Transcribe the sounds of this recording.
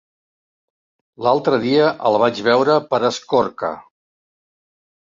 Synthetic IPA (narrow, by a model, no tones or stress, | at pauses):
lalˠt̪ɾəðiəʔəlˠβ̞ad͡ʒβɛwɾəpəɾəskoɾkə̰